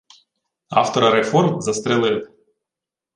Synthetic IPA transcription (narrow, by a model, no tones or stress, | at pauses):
ɑ̰ft̪ɔɾɐɾefɔrmzɐst̪ɾɪlˠɪlˠ